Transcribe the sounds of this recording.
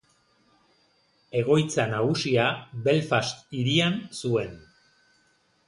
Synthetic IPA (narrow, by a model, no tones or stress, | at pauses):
e̞ɣ̞o̞jt͡sanaɣusiaβe̞lfast̪iɾiansue̞n